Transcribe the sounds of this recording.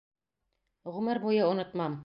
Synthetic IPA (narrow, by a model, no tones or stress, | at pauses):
ʁɵ̆mɘɾbujɤŏnŏt̪mɑm